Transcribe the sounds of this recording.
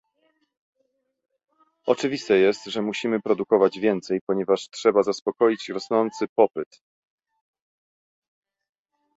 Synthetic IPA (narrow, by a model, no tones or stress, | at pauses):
ɔt͡ʂɘvʲist̪ɛjɛst̪ʐɛmuɕimɘpɾɔd̪ukɔvad͡ʑvʲjɛnt̪sɛjpɔɲɛvaʂtʂɛbazaspɔkɔjit͡ɕɾɔsnɔnt̪sɘpɔpɘt̪